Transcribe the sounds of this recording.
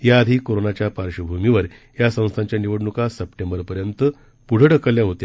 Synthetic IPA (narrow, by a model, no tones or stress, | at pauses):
jaːd̪ʱikoɾonat͡ɕjapaɾɕəbʱumiʋəɾ | jasə̃w̃st̪ʰaɲt͡ɕjaniʋəɽɳukasəpʈẽmbəɾpəɾjənt̪ə | puɽ̤əɽəkəljaɦot̪ja